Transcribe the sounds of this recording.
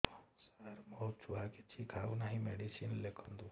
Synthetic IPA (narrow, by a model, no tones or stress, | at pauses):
saɾmɔɦut̪̚t͡ʃʰuɦaket͡ʃʰikʰawnaɦĩmeɖisinlekʰɔnd̪u